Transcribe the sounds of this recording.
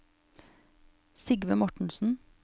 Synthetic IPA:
sɪɡʋəmɔʈɳ̩sn̩

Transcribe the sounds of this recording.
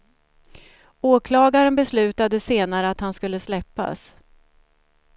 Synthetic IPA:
oːkʰlɑːɡaɾənbɛslʉ̟ːt̪ad̪əseːnaɾəat̪hanskɵlːəslɛpːa̰s

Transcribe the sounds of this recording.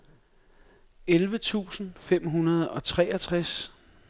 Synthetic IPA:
elʋət͡sʰṵːsn̩fem̰ɦunɐð̞̩ˠɒ̽t͡sʰʁɛ̰ɐt͡sʰʁas

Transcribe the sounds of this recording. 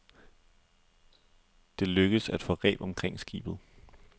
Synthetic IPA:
d̥e̝løɡ̥əðˠsæd̥fɒ̽ʁɛ̰ːb̥ɒ̽mkʰʁeŋ̰sɡ̥ḭːb̥ð̩ˠ

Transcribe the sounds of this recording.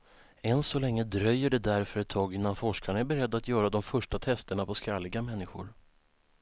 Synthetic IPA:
ɛnsɔlɛŋːəd̪ɾœjːəɖɛd̪æɾfœɾɛt̪ʰːɑːɡɪnːanfɔʂkaɳaæɾbɛɾɛd̪ːat̪jœːɾad̪ɔmfœʂʈat̪ʰɛst̪əɳapʰɔskɾalːɪɡamɛnːɪɧʊ̰ɾ

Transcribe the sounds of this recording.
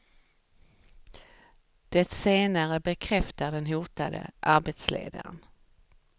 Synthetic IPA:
d̪̥ɛt̪seːnaɾəbɛkʰɾɛft̪aɖɛnɦuːt̪ad̪ə̰ʔaɾbet̪slḛːd̪a̰ɾə̰n

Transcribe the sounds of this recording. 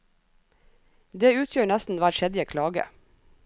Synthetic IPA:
d̪eːʉːt̪ʰjøːɳæst̪n̩ʋæɾʃɛd̪ɪəkʰlɑːɡə̰

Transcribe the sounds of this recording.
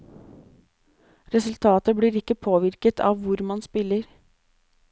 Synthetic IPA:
ɾɛsʉlt̪ʰɑːt̪əbɽiːɾɪkːəpʰoːʋɪɾkət̪ʰɑ̰ːʋʋʊɾmɑnspɪləɾ

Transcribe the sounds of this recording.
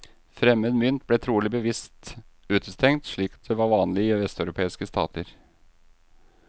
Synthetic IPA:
fɾɛmːəd̪mʏnt̪̚blɛt̪ʰɾuːlɪbəʋɪst̪ʉːt̪əst̪ʰɛŋt̪ʂɭiːk̪d̪ɛʋɑɾʋɑːnlɪɪʋɛst̪ɑʉɾʊpʰeːɪskəst̪ʰɑ̰ːt̪əɾ

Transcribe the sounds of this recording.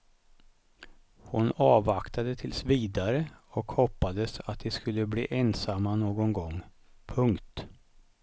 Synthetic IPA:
hʊnɑːvakt̪ʰad̪ət̪ʰɪlsviːd̪aɾəɔkhɔpːad̪əsa̰t̪̚d̪ɛskɵlːəblḭːʔɛnsamːanoːɡɔnɡɔŋ | pʰɵŋkt̪

